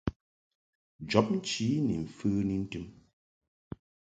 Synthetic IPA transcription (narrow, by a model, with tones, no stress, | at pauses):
d͡ʒɔ˨˦p̚n̩˦t͡ʃi˨˦ni˨ɱ̩˨fɨː˦ni˦n̩˦tɨ˦m